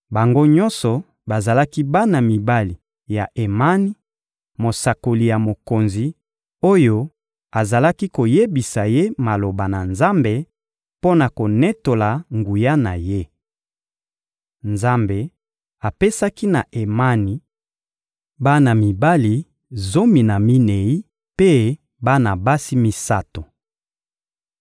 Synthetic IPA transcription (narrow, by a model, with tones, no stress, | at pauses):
ba˨ŋɡo˦ɲɔ̃˦nsɔ˨ | ba˨za˨la˦ki˦ba˦na˨mi˨ba˦li˨ | ja˨ʔe˨ma˦ni˦ | mo˨sa˨ko˨li˨ja˨mo˨ko˨nzi˨ | o˦jo˦ | a˨za˨la˦ki˦ko˨je˦bi˨sa˨je˦ma˨lo˨ba˨na˨nza˦mbe˨ | po˦na˨ko˨nɛ˦to˨la˨ŋɡu˨ja˦na̰˨je˦ | nza˦mbe˨ | a˨pe˦sa˦ki˦na˨ʔe˨ma˦ni˨ | ba˦na˨mi˨ba˦li˨ | zo˦mi˨na˨mi˦ne˨i˦ | pe˦ | ba˦na˨ba˦si˦mi˦sa˦to˨